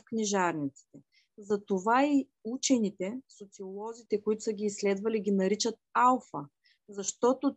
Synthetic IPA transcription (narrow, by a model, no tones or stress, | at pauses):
fkniʒaɾnit̪si̥t̪ɛ | zɐt̪ovai | ut͡ʃɛnit̪ɛsot̪siolˠɔzit̪ɛkoit̪ʊ̥səɡʲiːslɛd̪vɐliɡʲinɐɾit͡ʃət̪̚alˠfə | zɐʃt̪ɔt̪o